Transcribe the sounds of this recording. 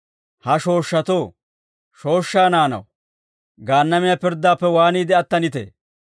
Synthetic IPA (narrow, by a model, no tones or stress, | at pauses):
hɐʃo̞ːʃːɐt̪oː | ʃo̞ːʃːaːnaːnɐ̰w | ɡaːnːɐmɪjapɪɾd̪ːaːpːɛwaːniːd̪ɛɐt̪ːɐnɪt̪ḛː